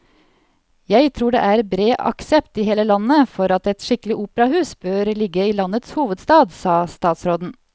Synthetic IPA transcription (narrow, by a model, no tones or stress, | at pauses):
jæɪt̪ʰɾuːɖḛʔæɾbɾeːʔɑ̰ksɛpt̪ɪɦeːləlɑnːəfɔɾɑt̪ɛt̪ʂɪkəlɪʔuːpəɾɑhʉːsbøːɾlɪɡːəilɑnət̪shuːʋəd̪st̪ɑːd̪sɑːst̪ɑːt̪sɾoːd̪n̩